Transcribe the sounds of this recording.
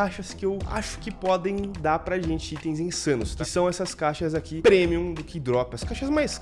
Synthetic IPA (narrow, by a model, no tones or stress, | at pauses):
aʃɐskɪewa̰ʃʊ̥kɪpɔd̪ẽj̃d̪aɾpɾaʒẽnt͡ʃɪit̪ẽj̃zẽj̃sɐ̃nʊskɪsɐ̃w̃ɛsɐskaʃɐzakipɾemiũd̪ʊkɪd̪ɾɔpɪɐskaʃɐzmajs